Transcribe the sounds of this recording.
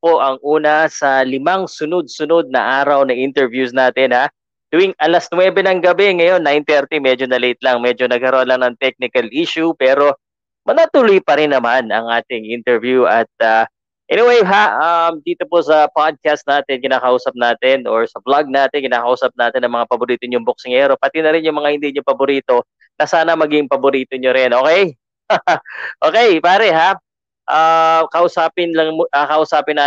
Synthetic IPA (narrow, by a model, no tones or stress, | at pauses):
po̞ʔɐŋʔuːnɐsɐlɪmaŋsʊnod̪̚sʊnod̪̚nɐ̰ʔaːɾɐwnɐʔint̪ɛɹvjusnaːt̪ɪnha | d̪̥ʊwɪŋʔɐlɐsnwɛbɛnɐŋɡɐbɛŋɐjo̞nːajnt̪ɛɾt̪imɛd͡ʒonɐlet̪̚lɐŋmɛd͡ʒo̞nɐɡ̚kɐɾonlɐŋnɐŋt̪ɛk̚nɪkɐlʔiʃupɛːɾo̞ | mɐnat̪ʊlojpɐɾɪnːɐmanɐ̰ŋʔaːt̪ɪŋʔint̪ɛɹvjuʔɐt̪̚a | ʔɛnɪwejɦaɐmd̪iːt̪o̞posɐpad̪̚kast̪̚naːt̪ɛnkɪnaːkɐʔuːsɐp̚naːt̪ɛnʔoɹsɐblaɡ̚naːt̪ɛnkɪnaːkɐʔuːsɐp̚naːt̪ɛnɐŋmɐŋapɐbʊɾiːt̪oɲʊŋbok̚sɪŋɛːɾo̞pɐt̪ɪnɐɾɪnjʊŋmɐŋahɪnd̪iːɲopɐbʊɾiːt̪o̞ | nɐsaːnɐmɐɡɪŋpɐbʊɾiːt̪o̞ɲoɾɪnʔo̞ːkɛj | ʔoːkɛjpaːɾɛɦa | ʔakɐʔʊsaːpɪnlɐŋmɐkɐʔʊsaːpɪna